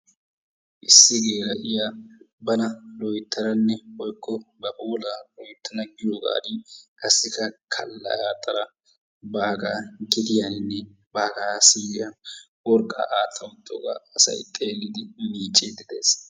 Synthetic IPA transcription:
ʔɪsːɪɡeːlɐʔɪja | bɐnɐlɔjt̪ːɐɾɐnːɛɔjkːɔbɐʔʼoːlalɔjt̪ːɐnɐɡɪjoːɡa̰ːd̪ɪkɐsːɪkɐkʰɐlːɐ̰jaːt̪ʼːɐɾɐ | baːɡaːɡɪd̪ɪjanɪnːɛ | bɐːɡaːsijjɐ | wɔɾkʼːa̰ːʔaːt̪ʰɐwʊt̪ːo̰ːɡa̰ːɐsɐ̰jt̪ʼeːlːɪd̪ɪmiːt͡ʃʼːeːd̪ɪd̪eːs

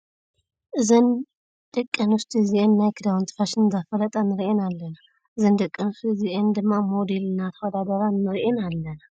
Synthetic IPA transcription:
ʔɨzɨn | d̪̥ɨkʼːɐnust̪ʰɨziʔenːajkʰɨd̪awnt̪ʰɨ̥faʃinzafɐlɐt̪ʼanɨɾiʔenalːɐna | ʔɨzɨnd̪ɨkʼːɨnust̪iziʔend̪ɨmːamod̪elnat̪ʰɐwɐd̪ad̪ɐɾannɨɾʔenalːɐna

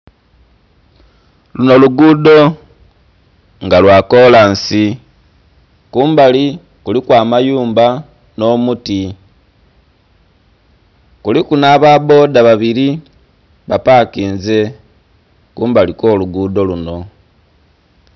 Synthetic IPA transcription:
luno̞luɡudo̞ | ŋɡalwaːko̞lansi | kuːmbali | kulikwaːmajuːmba | no̞muti | kulikunaːβabo̞ːdaβaβiɾi | βapakiːnze̞ | kuːmbaliko̞luɡudo̞luno̞

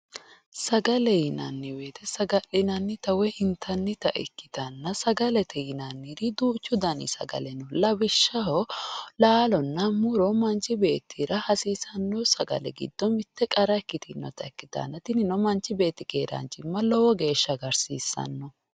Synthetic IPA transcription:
sɐɡɐlɛjɪnɐ̰nːɪwe̞ːt̪ɛsɐɡɐlɪnɐnːɪt̪ɐwɛʔɪnt̪ʰɐnːɪt̪ɐʔɪ̰kːɪ̥t̪ɐnːɐsɐɡɐlɛt̪ʰɛjɪnɐnːiɾɪd̪uːt͡ʃːʊd̪ɐnḭsɐ̰ɡɐ̰lɛnʊlɐbɪʃːɐhɔlaːlɔnːɐmʊɾɔmɐnt͡ʃɪbe̞ːt̪ːiɾɐhɐsiːsɐnːɔsɐɡɐ̰lɛ̰ɡɪ̰d̪̥ːɔmɪt̪ːɛkʼɐɾɐɛkːɪt̪ʰɪnːɔ̰t̪ɐɛkːɪ̥t̪ɐ̰nːɐt̪ɪnɪnɔmɐnt͡ʃɪbe̞ːt̪ːɪkeːɾa̰nt͡ʃʼɪmːɐlɔwɔɡe̞ːʃːɐɡɐɾsḭːsːɐ̰nːɔ

